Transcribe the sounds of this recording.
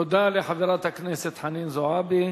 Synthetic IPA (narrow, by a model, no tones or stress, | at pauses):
ʊd̪aːliħaviɾˤat̪aknesɪt̪ħaniːnzʊʕaːbi